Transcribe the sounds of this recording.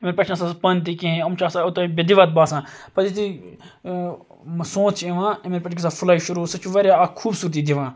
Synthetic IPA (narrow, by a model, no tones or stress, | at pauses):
meɾpɐʈʰnãsaspɐnt̪̬ikĩɦẽɐmt͡ʃʰaːsaʊt̪ɐbed̪iʋat̪̚baːsãːpɐɾit̪i | sõːt͡ʃʰiʋãːimeːɾpɐʈʰkisaːfʰulaːiʃuɾuːsɐt͡ʃuʋɐɾjakʰuːbsuːɾt̪̬iːd̪iʋãː